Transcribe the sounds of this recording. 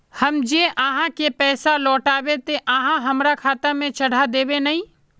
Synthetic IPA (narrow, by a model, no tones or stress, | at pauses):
hɐmd͡ʒeʔaːɦãkepɛːsalɔːʈaːwet̪eʔãːɦãɦɐmɾakʰaːt̪amẽt͡ʃɐɽ̤ad̪eːbenɐɦĩ